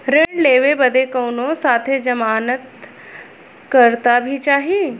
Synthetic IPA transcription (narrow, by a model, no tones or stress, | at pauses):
ɾeɖleːʋebəd̪ekəwnosaːt̪ʰed͡ʒɐmaːnət̪ | kəɾt̪abʱit͡ʃaːɦi